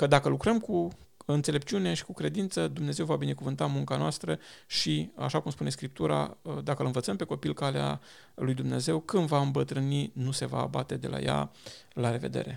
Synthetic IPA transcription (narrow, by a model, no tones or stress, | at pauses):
kəd̪akəlukɾəmkuɨnt̪sele̞p̚t͡ʃiune̞ʃi̥kukɾe̞d̪int̪səd̪umne̞ze̞wvabine̞kuvɨnt̪amuŋkanoast̪ɾəʃia̰ʃakumspune̞skɾip̚t̪uɾa̰d̪akəlɨnvət̪səmpe̞ko̞pilkalea̰ | lujd̪umne̞̰ze̞wkɨnvaɨmbət̪ɾɨninuse̞va̰ːbat̪e̞d̪e̞̰la̰ja̰laɾe̞ve̞̰d̪e̞̰ɾe̞